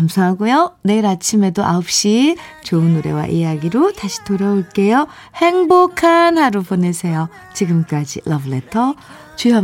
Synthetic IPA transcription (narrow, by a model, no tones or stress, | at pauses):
amsʰaŋɦaɡujone̞iɾat͡ɕʰime̞doʔa̰op̚ɕ͈it͡ɕoɯnoɾe̞̰wa̰ʔijaɡiɾotaɕʰi̥toɾaoɭk͈e̞jo | he̞ŋbokʰanhaɾopone̞sʰe̞jo | t͡ɕiɡɯmk͈ad͡ʑḭlʔʌbɯle̞tʰʌ | t͡ɕua